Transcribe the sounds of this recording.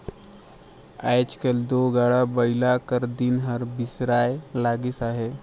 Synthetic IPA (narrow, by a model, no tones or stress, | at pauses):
ajt͡ʃkəld̪oɡaɽabəilakəɾd̪inɦəɾbisɾajlaɡisaɦe